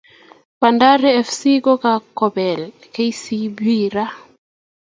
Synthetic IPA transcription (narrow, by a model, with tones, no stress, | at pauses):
pa˨nda˦ɾɛ˦ɛ˨fsi˦ko˦ka˨kɔ˨bɛ˨l | ke˦i˦si˦bwi˦ɾa˦